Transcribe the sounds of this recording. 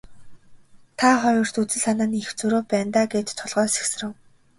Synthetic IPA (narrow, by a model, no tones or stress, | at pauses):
t̪ʰaχɔjɞ̆r̥t̪ut͡sɘ̆ɮanaːnixt͡sɵɾoːpæːnt̪aːɡeːt̪t̪ʰːʊɮʁœːsi̥ksrə̆w